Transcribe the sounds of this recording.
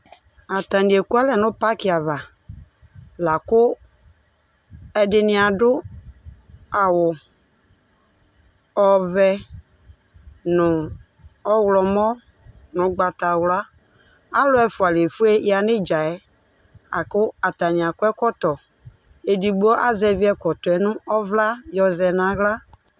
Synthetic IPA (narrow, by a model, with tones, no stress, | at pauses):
a˨ta˨ni˨e˨kʊ˦a˦lɛ˨nʊ̃˦pa˦kɪ˨˦a˨va˨ | la˨kʊ˦ | ɛ˨dɪ˨nɪ˨˦a˨dʊ˦ | a˨wʊ˨ | ɔ˦vɛ˦ | nʊ˨ | ɔ˦wlɔ˨mɔ˦ | nʊ̃˨˦ɡ͡ba˨ta˨wla˦ | a˦lʊ˦ɛ˨fʊ˨a˨le˨fu˦e˦a˨nɪ˦d͡ʒa˨ɛ˦ | a̰˨kʊ˦a˨ta˨nɪ˨a˨kʊ˦ɛ˦kɔ˦tɔ˨ | e˨di˨ɡ͡bɔ˦ʔa˦zɛ˨vi˦ɛ˨kɔ˨tɛ˨nʊ̃˦ɔ˦vla˦jɔ˨zɛ˨na˨ɣla˦